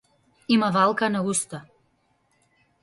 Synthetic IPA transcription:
imavalˠkanaust̪a

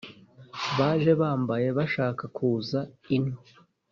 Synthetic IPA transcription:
βaːʒe̞βaːmbaje̞βaʃaːkakuːzainho

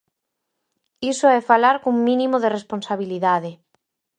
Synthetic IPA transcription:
isoɛfalaɾkuŋmĩnĩmoðeresponsaβ̞iliðaðe

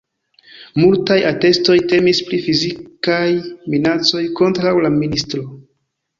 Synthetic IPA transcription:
multajate̞sto̞jte̞mispɾifizikajminat͡so̞jko̞ntɾawlaministɾo̞

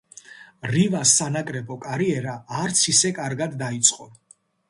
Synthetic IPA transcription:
ɾivasːanakʼɾɛbɔkʼaɾiɛɾaːɾt̪sʰisɛkʼaɾɡad̪ːait̪sʼqʼɔ

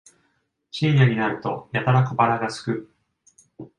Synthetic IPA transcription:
t͡ɕĩjaɲ̟inaɾɯ̟t̪o̞jat̪aɾakɯbaɾaɡasɨ̥kɯ̟

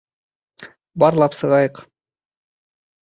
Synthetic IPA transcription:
bɑɾlˠɑpsɤʁɑjɤq

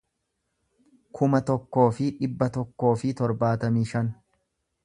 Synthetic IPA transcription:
kʰʊmɐt̪ɔkːo̞ːfɪᶑɪbːɐt̪ɔkːo̞ːfɪt̪ɔɾbaːt̪ɐmiːʃɐn

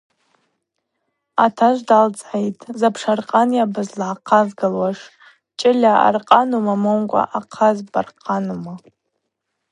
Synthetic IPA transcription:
atʰaʒʷdalt͡sʼʕejtʼzapʰʂarqʼanjabɨzlʕaqʰazɡalwaʂ | t͡ʃʼɪlʲaa̰rqʼanumamonkʷʼa̰ʔaqʰazbarqʼʰanuma

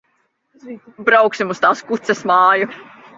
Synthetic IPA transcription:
bɾawksimust̪aːskut̪sɛsmɑːju

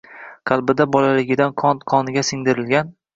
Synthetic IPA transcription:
qʰɑlˠbɪd̪abɒlalɪɡʲɪd̪anqʰɒnt̪qʰɒnɪɡʲasɪŋd̪ɪɾɪlɡʲan

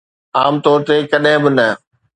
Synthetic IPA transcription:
aːmt̪ɔːɾt̪ekɐɗɦɪ̃bɪnɐ

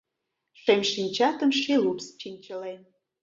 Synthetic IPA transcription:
ʃemʲʃinʲt͡ɕɑt̪ə̆mʃilupst͡ɕinʲt͡ɕəlen

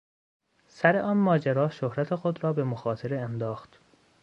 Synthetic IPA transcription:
sæɾeʔɒːnmɒːd͡ʒeɾɒːʃohɾæt̪ʰe̞xod̪ɾɒːbe̞moxɒːt̪ʰeɾeːnd̪ɒːxt̪

